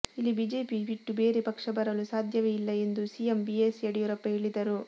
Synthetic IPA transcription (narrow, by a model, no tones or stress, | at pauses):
ilːibiːd͡ʒe̞ːpibiʈːube̞ːɾepɐkʂɐbɐɾɐlusaːd̪ʱjɐʋeilːɐe̞nd̪usijembieseɽijuɾɐpːɐɦeɭid̪ɐɾu